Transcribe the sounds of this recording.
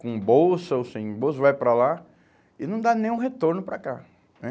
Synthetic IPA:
kõbowsɐowsĩbows̬ɐvajpɾɐla | ɪnɐ̃w̃d̪anẽj̃ũɦet̪oɾnʊpɾaka | ɛ

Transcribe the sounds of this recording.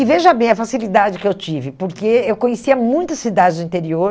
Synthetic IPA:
ɪveʒɐbẽj̃ɐfasilid̪ad͡ʒɪkɪewt͡ʃivɪpoɾkeewkõɲesiɐmũj̃t̪ɐsːid̪ad͡ʒɪzd̪ʊĩnt̪eɾioɾ

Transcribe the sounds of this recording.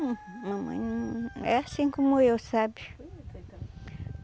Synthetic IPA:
mɐ̃mɐ̰̃j̃ɛasĩkõmʊewsabjʊ̥

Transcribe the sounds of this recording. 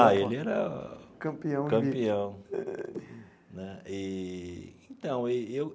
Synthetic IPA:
aelɪɛɾɐkɐ̃piɐ̃w̃kɐ̃mpiɐ̃w̃ | nɛi | ẽt̪ɐ̃w̃ɪew

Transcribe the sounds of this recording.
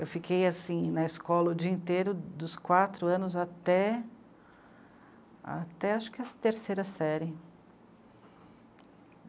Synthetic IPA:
ewfikʰejasĩnɐɪskɔlɐʊd͡ʒiĩnt̪eɾʊd̪ʊskwat̪ɾʊɐ̃nʊzat̪ɛ | a̰t̪ɛaʃʊ̥kɪɛsɐt̪eɾsejɾɐsɛɾɪ

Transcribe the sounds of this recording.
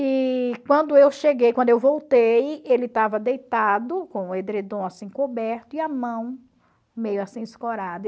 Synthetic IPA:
ikwɐ̃nd̪ʊewʃeɡejkwɐ̃nd̪ʊewvowt̪ejelɪt̪avɐd̪ejt̪ad̪ʊkõed̪ɾed̪õasĩkobɛɾt̪ʊiɐmɐ̃w̃ | mejʊasĩɪskoɾad̪ɐ

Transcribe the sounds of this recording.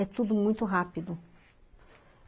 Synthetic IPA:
ɛt̪ud̪ʊmũj̃t̪ʊɦapid̪ʊ

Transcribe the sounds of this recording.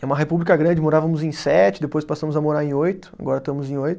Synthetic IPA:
ɛumɐɦepublikɐɡɾɐ̃d͡ʒɪmoɾavɐmʊzẽj̃sɛt͡ʃɪd̪epojspasɐ̃mʊzɐmoɾaɾẽj̃ojt̪ʊ̥a̰ɡɔɾɐt̪ɐ̃mʊzẽj̃ojt̪ʊ

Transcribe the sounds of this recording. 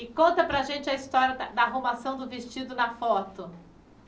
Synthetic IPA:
ɪkõnt̪ɐpɾɐʒẽnt͡ʃɪɐist̪ɔɾjɐd̪ɐd̪ɐːɦomasɐ̃w̃d̪ʊvest͡ʃid̪ʊnɐfɔt̪ʊ

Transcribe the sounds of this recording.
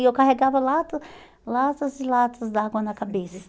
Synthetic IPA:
ewkaɦɛɡavɐlat̪ɐ | lat̪ɐzilat̪ɐzd̪aɡõnɐkabesɐ̥

